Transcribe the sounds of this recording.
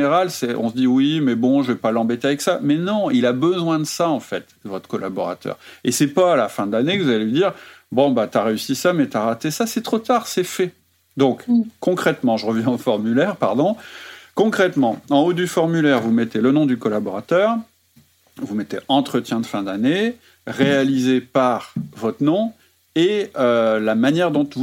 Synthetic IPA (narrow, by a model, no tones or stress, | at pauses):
neʁalsɛʔɔ̃səd̪iwimɛbɔ̃ʒəvɛpalɑ̃bɛt̪eavɛksamɛnɔ̃ilabəzwɛ̃d̪əsaɑ̃fɛt̪d̪əvɔt̪χə̥kɔlʔabɔʁa̰t̪œ̰ːʁesɛpaːlafɛ̃d̪lanekəvuzaleɥid̪iːʁ | bɔ̃bat̪aʁeysisamɛt̪aʁat̪esasɛt̪χot̪aʁsɛfɛ | d̪ɔ̃kːɔ̃kχɛt̪mɑ̃ʒəʁəvjɛ̃ɑ̃fɔʁmylɛʁpaʁd̪ɔ̃kɔ̃kχɛt̪mɑ̃ɑ̃od̪yfɔʁmylɛʁvumɛt̪elənɔ̃d̪ykɔlabɔʁat̪œʁ | vumɛt̪eʔɑ̃t̪χət̪jɛ̃d̪əfɛ̃d̪ane | ʁealizepaʁvɔt̪χnɔ̃ | eølamanjɛʁd̪ɔ̃vu